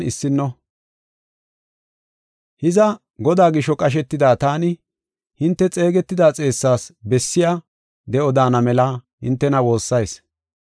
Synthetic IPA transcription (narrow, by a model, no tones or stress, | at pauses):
nɪsːɪnːɔ | hɪzɐ | ɡɔd̪aːɡɪʃɔkʼɐʃ̬ɛt̪ːɪd̪aːt̪aːnɪ | hɪnt̪ːɛt͡sʼe̞ːɡɛt̪ːɪd̪aːt͡sʼe̞ːsːaːsbɛsːɪjaː | d̪ɛʔɔd̪aːnɐmɛlahɪ̰nt̪ːɛnɐwo̞ːsːɐjs